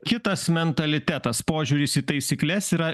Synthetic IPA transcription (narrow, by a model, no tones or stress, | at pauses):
kʲɪt̪ɐsmʲɛnt̪ɐlʲɪt̪ʲæt̪ɐspoːʒʲuːɾʲɪsiːt̪ɐɪsʲiklʲɛsiːɾɐ